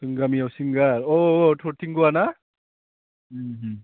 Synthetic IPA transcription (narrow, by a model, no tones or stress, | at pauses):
tɯŋɡamijawsiŋɡaɾɔtʰɔɾtʰiŋɡuwana